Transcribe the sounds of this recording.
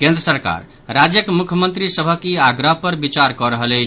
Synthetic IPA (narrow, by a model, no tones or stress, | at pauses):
kẽnd̪ɾəsəɾka̰ɾ | ɾad͡ʒjəkmukʰjəmənt̪ɾisəbʱəkiaɡɾəɦpəɾbit͡ʃaɾkɔɾəɦəlɛt͡ʃʰ